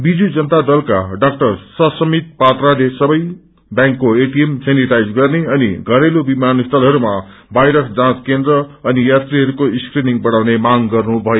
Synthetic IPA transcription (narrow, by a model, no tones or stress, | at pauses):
bid͡zud͡zʌnt̪ad̪ʌlkaɖʌkʈʌrsʌsʌmit̪̚pat̪ralesʌbʌj | bjãŋkːoeʈiemseniʈajd͡zɡʌrneʌnḭɡʱʌɾelobimanist̪ʰʌlɦʌɾumabajɾʌkd͡zãt͡skend̪rʌʌnijat̪riɦʌɾukoiskriniŋbʌɽawnemaŋɡʌrnubʱʌjo